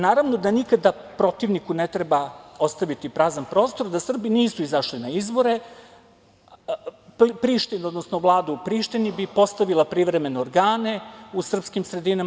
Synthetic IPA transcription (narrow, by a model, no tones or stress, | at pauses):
naːɾaʋno̞d̪anikad̪apɾo̞t̪iʋnikunet̪ɾebao̞st̪aʋit̪ipɾazanpɾo̞ːst̪o̞ɾd̪asr̩biniːsuizaʃlinaizbo̞ɾe̞ | pɾiʃt̪inod̪nosnoʋlˠaːd̪uupɾiːʃt̪inibipo̞st̪aʋilˠapɾiʋɾe̞me̞neoɾɡaːne̞usr̩pskimsɾe̞d̪ina